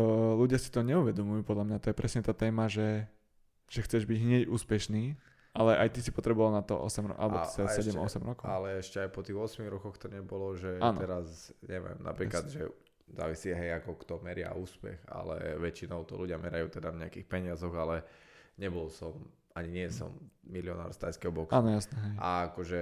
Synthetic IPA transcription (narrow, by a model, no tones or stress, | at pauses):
luɟɪasi̥t̪ɔɲɛuʋɛd̪ɔmujuːpɔd̪lamɲat̪ɔjɛpɾɛsɲɛt̪aːt̪ɛːmaʒɛ | ʒ̥ɛxt͡sɛʒbiɟɦɲɪɛɟuːspɛʃniː | alɛʔajt̪isipɔt̪ɾɛbɔʋalnat̪ɔʔɔ̰sɛmɾɔ̰ʔa̰lɛbɔt̪ɛasɛɟɛmɔsɛmɾɔkɔʊalɛɛʃcɛajpɔt̪iːɣɔsmiɣɾɔkɔxt̪ɔɲɛbɔlɔʒɛaːnɛɾazɲɛʋɪɛ̰mna̰pɾiːklad̪ʒɛ | za̰ːʋisiɦɛjakɔkt̪ɔmɛɾɪa̰uːspɛ̰ɣa̰lɛ̰ʋɛt͡ʃinɔʊt̪ɔ̰luɟɪamɛɾajuːt̪ɛd̪avɲɛakixpɛɲɪazɔɣalɛɲɛbɔlsɔm | aɲiɲɪɛsɔ̰mːiliɔna̰ːɾst̪ajskɛɦɔbɔksaːnɔjasnɛɦɛjaakɔʒɛ